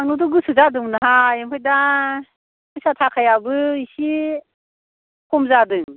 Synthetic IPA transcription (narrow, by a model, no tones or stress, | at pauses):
anudɔɡɯsɯzadɯŋnaɦajemʰɯjda | kʰɯsatʰakʰajabɯisi | kʰumzadɯŋ